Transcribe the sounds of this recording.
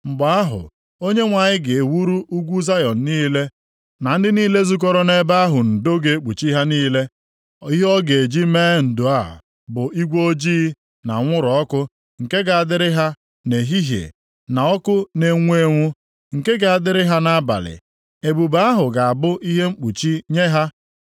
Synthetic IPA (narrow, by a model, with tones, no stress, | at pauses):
ŋ͡m̩˨ɡ͡ba˨˦a˦ɦʊ̰˨ | o˦ɲe˦ŋʷa˨ɲɪ˦ɡɪ˨e˨wu˦ɾu˦ʔu˦ɡʷu˦za˦jɔ˨n̩˨niː˦le˦ | na˨n̩˦dɪ˦niː˦le˦zu˦k̬ɔ˦ɾɔ˦ne˦ba˦a˦ɦʊ˨n̩˨do˦ɡe˨˦k͡pu˨t͡ʃi˦ɦa˦niː˦le˦ | i˦ɦɔ˦ɡe˨e˨d͡ʒi˦meː˦n̩˨dʊ˨a˦˨ | bʊ˨i˦ɡʷo˦d͡ʒiː˦ | na̰˨ŋʷʊ˦ɾɔ˦kʊ˦ | ŋ̩˨ke˦ɡa˨a˨dɪ˦ɾɪ˦ɦa˦ | ne˨ɦi˦ɦjḛ˨ | na˨ɔ˦kʊ˦ne˨ŋʷe˦ŋʷʊ˦ | ŋ̩˨ke˦ɡa˨a˨dɪ˦ɾɪ˦ɦa˦na˦a˦ba̰˨lɪ̰˨ | e˨bu˨ba˦a˦ɦʊ˨ɡa˨a˨bʊ˦ʔi˦ɦe˦ŋ͡m̩˦k͡pu˨t͡ʃi˦ɲe˦ɦa˦